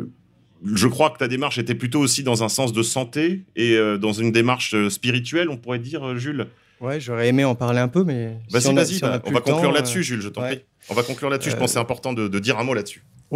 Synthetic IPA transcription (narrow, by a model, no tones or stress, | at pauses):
ʒəkχwakə̥t̪ad̪emaʁʃet̪ɛplyt̪oːsid̪ɑ̃zɛ̃sɑ̃s̬d̪əsɑ̃t̪eeød̪ɑ̃zynd̪emaʁʃøspiʁit̪̬ɥɛlɔ̃puʁɛd̪iʁøʒyl | wɛʒɔʁɛemeɑ̃paʁleɛ̃pømɛbasivazibaʔvakɔ̃klyʁladəsyʒylʒət̪ɑ̃pχi | ʔɔ̃vakɔ̃klyʁlad̪əsyʒəpɑ̃ssɛɛ̃pɔʁt̪ɑ̃d̪əd̪əd̪iʁɛ̃molad̪əsy̥